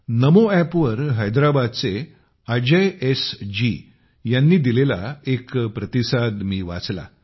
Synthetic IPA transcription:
nəmoæpʋəɾɦəjd̪ɾabad̪̚t͡se | ad͡ʑəjesd͡ʑi | janːiːd̪ilela̰ekpɾət̪isad̪miːʋa̰t͡sla̰

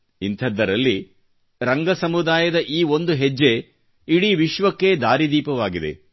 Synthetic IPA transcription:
int̪ʰɐd̪ːɐɾɐlːi | ɾɐŋɡɐsɐmud̪aːjɐd̪ɐʔiːo̞nd̪uɦed͡ʒːe | iɽiʋiʃʋɐkːe̞d̪aːɾid̪iːpɐʋaːɡid̪e̞̰

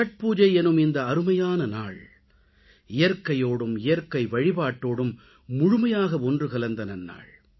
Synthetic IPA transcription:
ɐʈ̚puːd͡ʒɐɪɛnɯmɪnd̪ɐːɾɯmɐjaːnɐna̰ːɭ | ɪjɐɾkɐjoːɽɯmɪjɐɾkɐɪʋɐɻɪbaːʈːoːɽɯmː | ʊɻʊmɐjaːɣɐɔndrɯkɐlɐnd̪ɐnɐnːa̰ːɭ

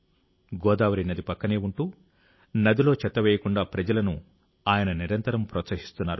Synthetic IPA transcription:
ɡɔːd̪aːʋɐɾɐnɐd̪ipɐkːɐneːuɳʈuː | nɐd̪ilo̞ːt͡ʃɛt̪ːɐʋɛːjɐkuɳɖaːpɾɐd͡ʒɐlɐnu | aːjɐnɐniɾɐnt̪ɐɾɐmpɾɔːt̪sɐɦi̥st̪unːaːɾu

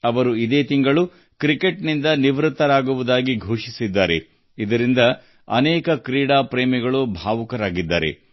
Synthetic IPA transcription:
ɐʋɐɾuid̪eːt̪iŋɡɐɭu | kɾike̞ʈnind̪ɐniʋɾut̪ːɐɾaːɡuʋud̪aːɡiɡʱuːʂisid̪ːaːɾe̞̰ | id̪ɐɾind̪ɐ | ɐ̰nɛːkɐkɾiːɽaːpɾeːmiɡɐɭubʱaːʋukɐɾaːɡid̪ːa̰ːɾḛ

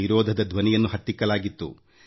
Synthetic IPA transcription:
iɾɔːd̪ʱɐd̪ɐd̪ʋɐnijɐnːuɦɐt̪ːikːɐlaːɡit̪ːṵ

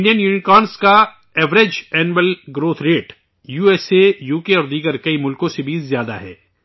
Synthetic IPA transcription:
nijənjuːnɪkaːnska | ɛːʋɾed͡ʒɛːnʋəlɡɾoːt̪ʰɾeːʈ | juːeːsejuːkeɔːɾd̪iːɡəɾkɐimʊlkõsebʱizjaːd̪a̰ɦɛ̰ː

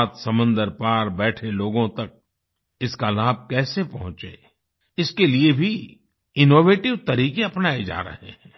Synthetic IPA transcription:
t̪sɐmə̃nd̪əɾpaːɾbɛːʈʰeloːɡõt̪ɐk̚ | ɪskalaːb̚ʱkɛːsepɐɦʊ̃t͡ʃḛː | ɪskeliebʱi | ɪnoːʋeːʈɪʋt̪ɐɾiːkeɐpnaːed͡ʒa̰ːɾɐ̰ɦḛɦɛ̃ː

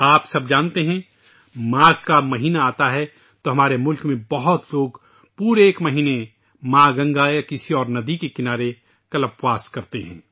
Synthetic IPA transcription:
aːpsɐb̚d͡ʒãːnt̪eɦɛ̃ | mãːkamɐɦiːnaaːt̪aɦɛ | t̪oɦɐmaːɾemʊlkmẽbɐɦʊt̪loːɡ | puːɾeːkmɐɦiːne | mãːɡɐ̃ŋɡajakɪsiɔːɾnɐd̪ikekɪnaːɾe | kɐləpwaːskɐɾt̪eɦɛ̃ː

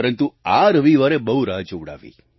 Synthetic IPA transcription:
ɾənt̪uaɾəʋiʋaɾebəuɾad͡ʒuɽa̰ʋḭ

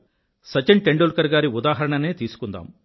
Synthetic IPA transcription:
sɐt͡ʃeɳʈeɳɖoːlkɐɾɡaːɾiud̪aːɦɐɾɐɳɐneːt̪iːsu̥kund̪a̰ːm

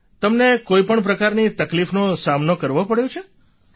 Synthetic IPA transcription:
t̪əmnekoipəɳp̬ɾəkaɾnit̪əklifnõsamnokəɾʋopəɽjõt͡ʃʰe

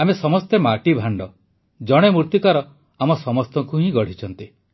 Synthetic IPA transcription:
amesɔmɔst̪emaʈibʱaɳɖɔ | d͡ʒɔɽ̃emuɾt̪ikaɾɔ | amɔsɔmɔst̪ɔŋkuɦĩɡɔɽ̤it͡ʃʰɔnt̪i

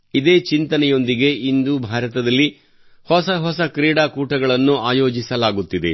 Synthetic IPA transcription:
id̪e̞ːt͡ʃint̪ɐnɛjo̞nd̪iɡe̞ind̪ubʱaːɾɐt̪ɐd̪ɐlːi | hɔsɐɦɔsɐkɾiːɽaːkuːʈɐɡɐɭɐnːuaːjo̞ːd͡ʒisɐlaːɡut̪ːid̪e̞̰

